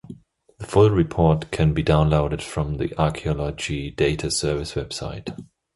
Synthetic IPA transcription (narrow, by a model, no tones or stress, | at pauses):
ðəfʊlˠɹɪpʰɔɹtkʰɨ̃nbidãʊ̃nloʊɾɨd̥fɹʌ̃mðḭʔɑɹkʰiɔlˠəd͡ʒideɪtʰəsɜ˞vɨswɛb̥saɪt